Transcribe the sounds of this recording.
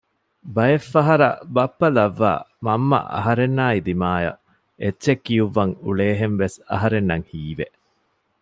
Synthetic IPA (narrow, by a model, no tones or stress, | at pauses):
bɐjefːɐɦɐɾɐ̰bɐpːɐlɐʋːa̰ːmɐmːɐ̰ʔɐ̰ɦɐɾenːaːid̪imaːjɐ̰ | etːʃekːijuʋːɐŋuɭeːɦenʋesɐ̰ɦɐɾenːɐŋhiːʋe